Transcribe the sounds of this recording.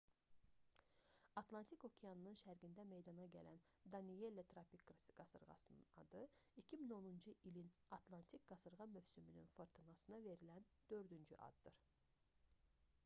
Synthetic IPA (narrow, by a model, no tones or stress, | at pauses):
ɑt̪lˠɑnt̪ʰiko̞cʰejɑnɯnɯnʃæɾɡind̪æme̞jd̪ɑnɑɟælæn | d̪ɑnije̞lːet̪ʰɾɑpikɡɾɯsɯɡ̥ɑsɯɾʁɑ̰sɯnɯ̰nɑ̰d̪ɯicʰimino̞nund͡ʒɯʔilinɑt̪ʰlˠɑnt̪ʰikɡɑsɯɾʁɑmøvsymyny̰nfoɾt̪ʰɯnɑsɯnɑve̞ɾilænd̪̥ø̞ɾd̪ynd͡ʒy̰ʔɑ̰d̪d̪ɯɾ̥